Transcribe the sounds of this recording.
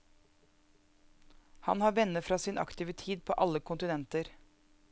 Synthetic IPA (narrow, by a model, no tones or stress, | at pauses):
hɑ̰nhɑːɾʋɛnəfɾɑːsiːnʔɑ̰kt̪ʰiːʋət̪ʰiːd̪̚pʰo̰ːʔɑləkʰʊnt̪ɪnɛnt̪əɾ